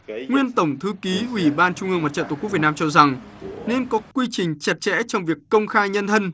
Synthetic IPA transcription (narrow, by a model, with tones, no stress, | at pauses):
ŋwi˧ənt̪ə˧˩wŋ͡mt̪ʰɨ˨˦ki˨˦ʔwi˧˩ɓaː˧nt͡ɕʊ˧ŋ͡mʔɨ˧əŋma˨˩t̚t͡ɕə̰˧˨t̪oː˨˧˩k̚vt̚naː˧mt͡ɕɔ˧za˨˩ŋ | ne˧nkɔ˨˦kwi˧t͡ɕï˨˩ŋ̟t͡ɕə˨˧˩t̚t͡ɕɛ̰˧˥t͡ɕɔ˧wŋ͡mvi˨˩əkːə˧wŋ͡mxaː˧jɲə˧nt̪ʰə˧n